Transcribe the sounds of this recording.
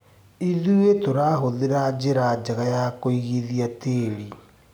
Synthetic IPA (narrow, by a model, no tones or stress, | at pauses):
iðuetoɾaɦoðeɾad͡ʑeɾad͡ʒaɣajakoiɣiðiateːɾi